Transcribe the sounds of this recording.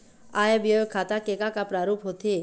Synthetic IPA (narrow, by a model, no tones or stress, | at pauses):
ajabjɔjokʰat̪akekakapɾaɾupɦot̪ʰe